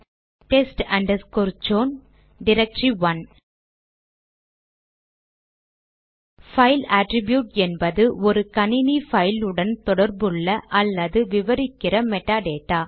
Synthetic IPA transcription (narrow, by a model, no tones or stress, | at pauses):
ʈɛsʈɐɳɖɐskoɾd͡ʒoːn | ɖɪɾɐk̚ʈɾiʋɐn | fɐɪlaːʈɾɪbjuːʈɛnbɐðɯʔɔɾɯkɐnɪnifɐɪlɯɽɐnt̪ɔɽɐɾbɯɭːɐʔɐlːɐðɯʋɪʋɐɾɪkːɪrɐmɛʈːaːɖeːʈːaː